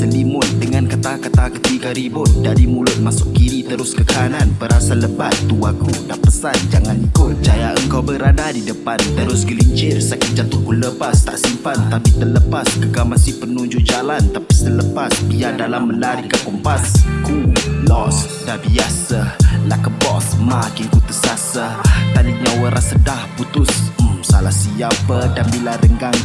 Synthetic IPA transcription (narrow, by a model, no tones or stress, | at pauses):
səlimʊt̪̚dəŋankat̪akat̪akə̥t̪iɡaɾibʊt̪̚daɾimulʊt̪̚masʊʔkinit̪əɾʊskəkananpəɾasaləbat̪ːuakudapəsand͡ʒaŋanikʊt͡ʃajaʔəŋkawbəɾadadidəpant̪əɾʊsɡəliɲt͡ʃɪrsakɪt̪̚d͡ʒat̪ukʊləpast̪a̰ʔsimpant̪apit̪ərləpaskəɡamasɪhpənuɲd͡ʒuʔd͡ʒalant̪apisələpasbiadalamːəlaɾikakɔmpaskulɔs | dabiasahlakəbɔsmakinkut̪əsasət̪adiɲawəɾʔasədahput̪ʊssalahsiapədanbilaɾəŋɡaŋ